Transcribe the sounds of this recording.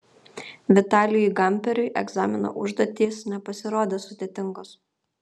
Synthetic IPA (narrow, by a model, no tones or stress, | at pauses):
ʋʲɪt̪ɑːlʲɪjɔɪɡɐmʲˑpʲɛɾʲʊɪʔɛ̰ɡzɑːmʲɪno̰ʔʊʒd̪oːt̪ʲiːsnʲɛpɐsʲɪɾoːd̪ʲeːsʊd̪ʲeːt̪ʲɪŋɡoːs